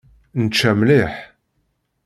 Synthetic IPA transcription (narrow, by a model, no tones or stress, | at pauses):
nt͡ʃːæmliħ